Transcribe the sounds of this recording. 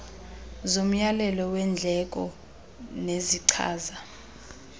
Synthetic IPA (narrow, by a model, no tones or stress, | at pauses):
zom̩jalɛlɔwɛnd͡ɮʱɛk̬ʼɔ̰ | neziǀʰa̰ːza